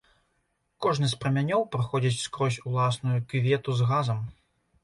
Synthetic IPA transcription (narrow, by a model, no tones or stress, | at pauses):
kɔʐnɨsʲpɾɐmʲanʲɔwpɾɨxɔd͡zʲit͡sʲskɾɔsʲulˠasnujukvʲɛt̪uzɣazɐm